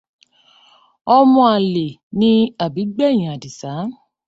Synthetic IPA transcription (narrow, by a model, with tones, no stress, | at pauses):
ɔ˧mɔ̃˧a˨le˨nĩ˧˦a˨bi˨˦ɡ͡bɛ˦˨j̃ĩ˨a˨di˨sa˨˦